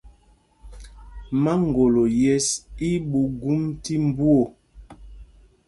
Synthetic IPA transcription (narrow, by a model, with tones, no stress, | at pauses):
ma˦ŋ˨ɡo˨lo˨jɛ˦si˦ɓu˨ɡu˦mti˦m˦bu˦o˨